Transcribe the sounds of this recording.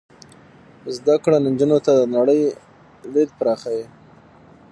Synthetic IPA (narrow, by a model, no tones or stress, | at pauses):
zd̪akɽanɪnd͡ʒunot̪ad̪ənaɽəj | led̪̚pɾɑxaji